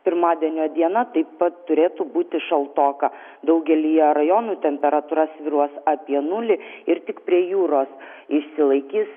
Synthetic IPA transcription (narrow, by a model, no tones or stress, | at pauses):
pʲɪɾmɑːd̪ʲiɛnʲoːd̪ʲiɛnɐt̪ɐɪppɐt̪t̪ːʊɾʲeːt̪ubuːt̪ʲɪʃɐlˠt̪oːkɐ | d̪ɐʊɡʲɛlʲijɛɾɐjoːnuːt̪ʲɛmʲpʲɛɾɐt̪uːɾɐsʋʲɪɾuɔsɑːpʲiɛnʊlʲɪɪɾt̪ʲɪkpʲɾʲiɛjuːɾoːs | ɪʃʲsʲɪlˠɐɪkʲiːs